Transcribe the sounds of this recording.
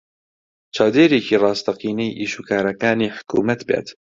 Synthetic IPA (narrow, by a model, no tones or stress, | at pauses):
t͡ʃʰɑːwd̪eːɾeːkiːrɑːst̪ɐqiːnejʔiːʃuːkʰaːɾɐkaːniːħʊ̥kʰṵːmɐt̪bḛːt̪